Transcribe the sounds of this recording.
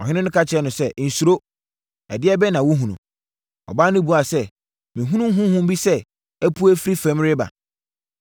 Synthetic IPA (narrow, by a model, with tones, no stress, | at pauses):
ɔ˨ɦɪ̃˦nɪ̃˦nʊ̃˦kʰa˦t͡ɕʰɪ˨ɛ˦nʊ̃˨sɛ˦n̩˨su˨ɾo˦ | ɛ̰˨dɪ˦ɛ˦bɛ˦nã˨wu˦ɦũ˨nṵ̃˨ | ɔ̰˨ba˦nɪ̃˦bu˨a˨sɛ˦ | mĩ˨ɦũ˦nũ˦ɦʊ̃˦hʊ̃˦m˦bi˦sɛ˦ | æ˦pʰu˦æ˦fɾi˦fɛ̃˦mɾɪ˦ba̰˨